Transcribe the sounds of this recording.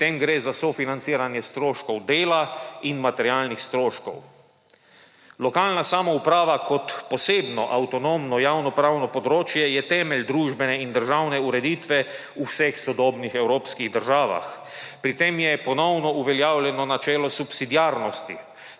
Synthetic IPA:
t̪emɡɾeːzasɔfinant̪siːɾanjɛst̪ɾoːʃkɔwd̪eːlainmat̪ɛɾjaːlnixst̪ɾoːʃkɔ̰w | lɔkaːlnasaːmɔupɾaːʋakɔt̪pɔseːbnɔʔawt̪ɔnomnɔjawnɔpɾaːwnɔpɔd̪ɾoːt͡ʃjɛjɛt̪ɛːmɛlʲd̪ɾuːʒbɛnɛind̪əɾʒawnɛuɾɛd̪iːt̪ʋɛ | uwsɛxsɔd̪ɔːbnixɛwɾoːpskiɣd̪əɾʒaːʋa̰x | pɾit̪emjɛpɔnɔwnɔuʋɛljaːwlʲjɛnɔnat͡ʃɛːlɔsupsid̪ijaːɾnɔst̪ḭ

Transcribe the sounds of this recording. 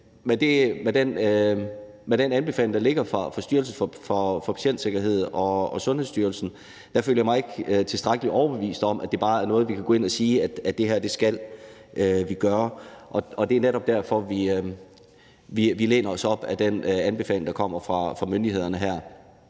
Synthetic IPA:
mend̥e̝med̥en | meɾ̥enænb̥e̝fɛ̰ːlɪŋd̥ɑ̈le̝ɡ̥ɐfʁɑ̈fɑ̈sd̥yɐlsn̩fɒ̽fɒfɒ̽pʰæ̥ɕen̰d̥se̝ɡ̥ɐɦe̝ð̞̰ˠɒ̽ɒ̽sɔ̽nhḛsd̥yːɐlsn̩ | d̥æføljɐjamɑ̈ɪe̝ɡ̥t͡sʰe̝sd̥ʁaɡ̥əliʔɒʊɐb̥e̝ʋḭːsd̥ɒ̽m̰ʔæd̥e̝b̥ɑ̈ːæɐnɔ̽ːð̞̩ˠʋikʰæɡ̥ɔːe̝næsiːæd̥æd̥e̝ɦæɐd̥e̝sɡ̥ælʔøʋiɡ̥ɶːɐʔɒ̽ɒ̽d̥e̝æɐneɾɒ̽b̥̚d̥æɐ̰fɒ̽ʋi | ʋiʋile̝ːnɐɒ̽sɒ̽b̥æd̥enænb̥e̝fɛ̰ːlɪŋd̥ɑ̈kʰɒ̽m̰ɐfʁɑ̈fʁɑ̈mønd̥ie̝ð̞̰ˠɐnəɦæɐ̰

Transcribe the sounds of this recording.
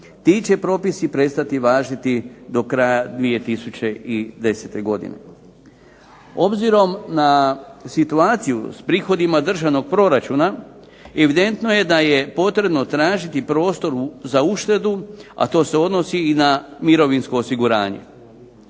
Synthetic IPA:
t̪iːt͡ɕe̞pɾo̞ːpisipɾe̞st̪at̪iʋaːʒit̪id̪o̞kɾajad̪ʋije̞t̪isut͡ɕe̞id̪e̞set̪e̞ɡo̞d̪ḭnḛ | o̞bziɾo̞mnasit̪uaːt̪sijṵspɾiːxo̞d̪imad̪r̩ʒaʋno̞ɡ̚pɾo̞ɾat͡ʃuːna | e̞ʋid̪e̞nt̪no̞je̞d̪aje̞po̞t̪ɾe̞bno̞t̪ɾaːʒit̪ipɾo̞ːst̪o̞ɾuzauʃt̪e̞d̪ua̰t̪o̞ːse̞o̞d̪no̞siːnamiɾo̞ʋinsko̞ːsiɡuɾa̰ːɲe̞̰

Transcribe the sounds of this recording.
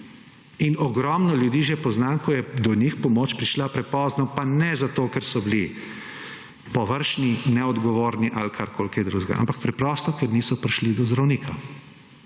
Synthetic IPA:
inɔɡɾɔːmnɔljud̪iːʒɛpɔznaːnkɔjɛd̪ɔnixpɔmoːt͡ʃpɾiʃlapɾɛpɔːznɔpanɛzat̪okɛɾsɔbli | pɔʋəɾʃninɛɔd̪ɡɔʋoːɾniʔalkʰaɾkʰoːlkjɛd̪ɾuʒɡa̰ʔa̰mpak̚pɾɛpɾɔst̪ɔkɛɾniːsɔpɾiʃlid̪ɔzd̪ɾawniːkʰa

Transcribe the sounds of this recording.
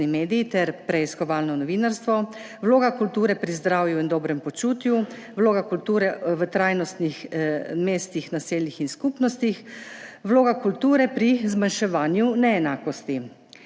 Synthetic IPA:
nimeːd̪ijit̪ɛɾpɾɛiskɔʋaːlnɔnɔʋinaɾst̪ʋɔ | ʋloːɡakult̪uːɾɛpɾizd̪ɾaːwjuind̪ɔːbɾɛmpɔt͡ʃuːt̪ju | ʋloːɡakult̪uːɾɛʋət̪ɾajnɔst̪nixmeːst̪ixnaseːlnixinskupnɔst̪ixʋloːɡakult̪uːɾɛpɾizmanʃɛʋaːnjunɛːnaːkɔst̪i

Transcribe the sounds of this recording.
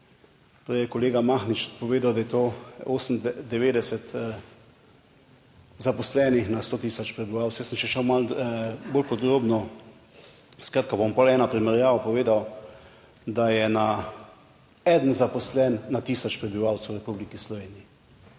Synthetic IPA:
pɔjɛkɔleːɡamaxnit͡ʃpɔʋeːd̪awd̪ajɛt̪oːoːsən̩d̪ɛʋeːd̪ɛsɛt̪ | zapɔslɛːnixnast̪oːt̪iːsɔt͡ʃpɾɛbiʋawt͡ssjɛsəmʃɛʃɛwmalboːlpɔd̪ɾoːbnɔ | skɾaːt̪̚kabompɔlɛːnapɾimɛɾjaːʋapɔʋeːd̪aw | d̪ajɛna | ɛːd̪ənzapɔslɛnːat̪iːsɔt͡ʃpɾɛbiʋawt̪sɛwɾɛpublikislɔʋeːniji

